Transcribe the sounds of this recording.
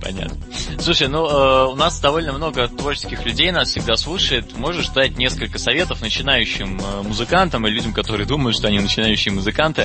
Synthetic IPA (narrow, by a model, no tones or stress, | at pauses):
pɐ̰nʲa̰t̪nəslˠuʂəjnuəʊnasd̪ɐvo̞lʲnəmno̞ɡət̪vo̞rt͡ɕɪ̥skʲɪxlʲʉdʲejnasfsʲɪɡ̚d̪aslˠuʂəjɪt̪mo̞ʐɨʐzd̪at̚ʲnʲe̞skəlʲkəsɐvʲe̞t̪əfnət͡ɕɪn̪ajʉɕːɪməːʊzɨkant̪əmɨlʲʉdʲɪmkɐt̪o̞ɾɨjəd̪uməjʊt̪ʂt̪o̞ɐnʲinət͡ɕɪnajʉɕːɪjəmʊzɨkant̪ɨ